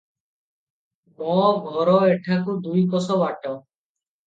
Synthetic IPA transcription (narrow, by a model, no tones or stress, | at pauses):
mɔɡʱɔɾɔeʈʰakud̪ujkɔsɔbaʈɔ